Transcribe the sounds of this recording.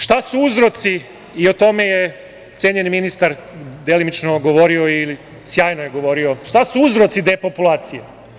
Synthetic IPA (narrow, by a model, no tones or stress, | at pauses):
ʃt̪asuuzɾo̞t̪si | io̞t̪o̞me̞je | t̪sjeːɲeniminist̪aɾd̪elimit͡ʃnoɡo̞ʋo̞ɾio̞ili | sjaːjnojeɡo̞ʋo̞ɾio̞ʃt̪asuuzɾot̪sid̪e̞ːpopulaːt̪sije